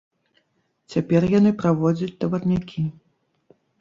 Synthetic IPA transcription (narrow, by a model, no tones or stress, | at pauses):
t͡sʲapʲɛrjanɨpɾavɔd͡zʲɐt͡sʲt̪ɐvɐt̪nʲakʲʰi